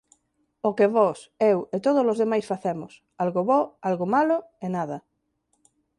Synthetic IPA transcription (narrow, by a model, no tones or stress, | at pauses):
okeβosewet̪oð̞olozðemajsfaθemos | alɣoβoalɣomaloenað̞a